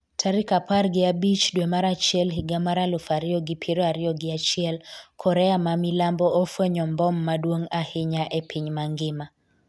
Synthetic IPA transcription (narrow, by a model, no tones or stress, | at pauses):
tʰaɾikaparɡɪabit͡ʃdwemaɾat͡ʃɛlɦɪɡamaɾalʊfaɾɪɔɡɪpʰiɾɔaɾɪɔɡɪat͡ʃɪɛlkʰɔɾɛamamilambɔːfwɛɲɔmbɔmːadwoŋahɪɲaʔepʰiɲmaŋɡɪma